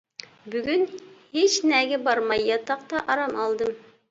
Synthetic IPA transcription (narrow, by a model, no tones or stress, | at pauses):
byɡʲynhet͡ʃnɛɡʲɛbɑɾmɑjːɑt̪ɑq̚t̪ɑʔɑɾɑmɑlˠd̪ɨm